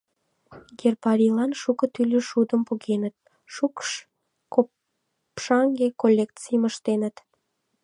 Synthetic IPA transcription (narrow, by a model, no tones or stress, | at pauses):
ɡerpɑɾʲilɑnʃukət̪ylʲəʃud̪əmpuɣenət̪̚ | ʃukʃ | ko | pʃɑŋɡekolʲːekt͡sijəməʃt̪enət̪